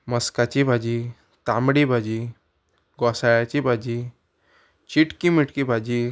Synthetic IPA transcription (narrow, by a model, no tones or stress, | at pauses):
məskat͡ɕibʱad͡ʑi | t̪amɽibʱad͡ʑi | ɡɔsajat͡ɕibʱad͡ʑi | t͡ɕiʈkimiʈkibʱad͡ʑi